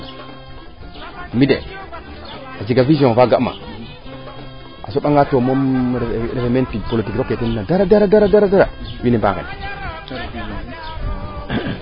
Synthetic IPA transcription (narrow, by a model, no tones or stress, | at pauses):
midḛ | ad͡ʒiɡaviziõŋvaɡama̰ | a̰soɓaŋɡatomomɾefementipolitikɾokːetinnadaɾadaɾadaɾadaɾadaɾawinɛba̰kḛn